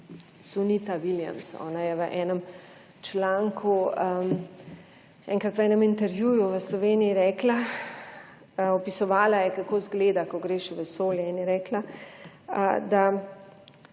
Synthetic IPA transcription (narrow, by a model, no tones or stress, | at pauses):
sunit̪aʋilja̰msɔ̰ːnajɛʋəʔɛːnəm | t͡ʃlaŋkʰuə | ɛŋkɾat̪ʋəɛːnəmint̪ɛɾʋjuːjuʋəslɔʋeːniiɾɛːkla | ɔpisɔʋaːlajɛkakoːzɡleːd̪akɔɡɾeːʃuʋɛsoːljɛinjɛɾɛːkla | əd̪a